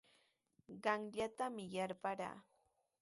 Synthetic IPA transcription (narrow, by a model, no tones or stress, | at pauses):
ɢɑŋʎat̪amɪjaɾpaɾa̰ː